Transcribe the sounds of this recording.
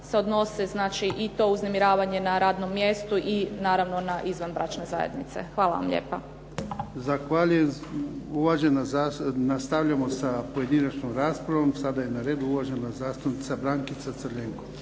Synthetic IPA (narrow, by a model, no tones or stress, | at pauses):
se̞o̞d̪no̞seznaːt͡ʃiʔit̪o̞ːuznemiɾaːʋaɲe̞naɾaːd̪no̞mːjest̪uʔinaːɾaʋno̞naʔizʋanbɾa̰ːt͡ʃne̞za̰jḛd̪nit̪se̞̰xʋaːla̰ʋa̰mʎḛːpa | zaxʋaʎujemuʋaʒenaanast̪aʋʎamo̞sapoje̞d̪inat͡ʃnomɾaːspɾaʋomsad̪ajenaɾe̞ːd̪uuʋaʒenazaːst̪unit̪sabɾaːŋkit̪sat̪sɾʎeŋko